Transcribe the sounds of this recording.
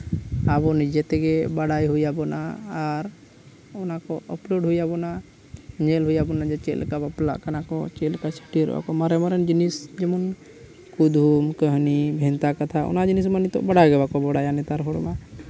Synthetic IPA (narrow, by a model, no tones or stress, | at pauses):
abɔnid͡ʒɛt̪ɛɡɛbaɽajɦujabɔnaːɾ | ɔnakɔʔəploɖɦujabɔna | ɲɛlɦujabɔnad͡ʒɛt͡ʃɛ̰ʔlkabapla̰ʔkanakɔ̰t͡ʃɛlkasʰi̥ʈiɾɛ̰ba̰kɔmaɾɛmaɾɛnd͡ʒinisd͡ʒɛmɔn | kud̪ʱumkəɦnibʱɛnt̪akat̪ʰaʔɔ̰nad͡ʒinis̬manit̪ɔ̰ʔbaɽaɡɛbakɔbɔɽajanɛt̪aɾɦɔɽma